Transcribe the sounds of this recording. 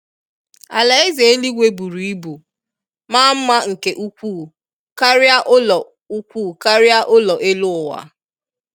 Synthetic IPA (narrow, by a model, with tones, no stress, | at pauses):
a̰˨la˨e˦ze˨e˦li˦ɡʷe˦bu˨ɾi˨i˦bu˨ | maː˦m̩˦ma˦ŋ̩˨ke˨ʔu˦kʷuː˦˨ | ka˦ɾɪ˦a˦ʔʊ˦lɔ˨ | u˦kʷu˦˨ka˦ɾɪ˦a˦ʔʊ˦lɔ˨ʔe˦lʊ˦ʊ˨wa̰˨